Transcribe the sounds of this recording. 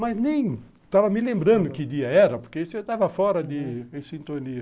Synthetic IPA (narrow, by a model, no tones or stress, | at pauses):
mɐznẽj̃ | t̪avɐmɪlẽmbɾɐ̃nd̪ʊkɪd̪iɐɛɾɐpoɾkesɪewt̪avɐfɔɾɐd̪ɪẽsĩnt̪oni